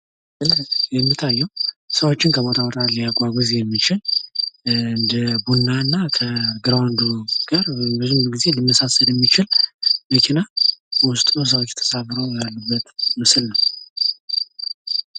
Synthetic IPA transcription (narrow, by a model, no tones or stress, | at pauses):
ʔɨljɛmːit̪ʰːajːɛwsəwo̞t͡ʃːɪnkʰəβo̞t̪ʰawɔt̪ʼalijaɡʷaɡʷɔzjɛmːit͡ʃɪl | ɨnd̪əbunːaɨnːakʰəɡɨɾawnd̪uɡ̥aɾbəzumɡize̞lɨmːəsasəljɛmːit͡ʃɪlməkʰenawʊst̪ʼnos̬əwot͡ʃːt̪ʰə̥safɾəwjalːəbːət̪mɨsɨlnəw